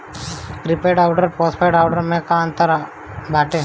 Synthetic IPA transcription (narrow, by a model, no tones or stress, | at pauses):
kɾipeːɖaːwɖəɾpɔːspʰajɖaːwɖəɾmẽkaənt̪əɾ | bʱaːʈe